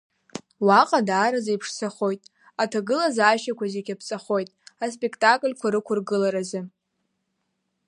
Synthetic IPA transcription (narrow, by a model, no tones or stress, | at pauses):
waqʼadaːɾazajpʰʂsaχo̞jtʼ | atʰaɡɨlazaaːʃakʷʰazeɡʲapʰt͡sʼaχo̞jtʼaspʼektʼakʼlʲkʷʰaɾɨkʷʰʊrɡɨlaɾazɨ